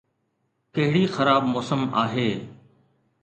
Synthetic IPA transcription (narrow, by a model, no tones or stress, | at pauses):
kɐɦɪɽiːxəɾaːbmoːsəmaːɦeː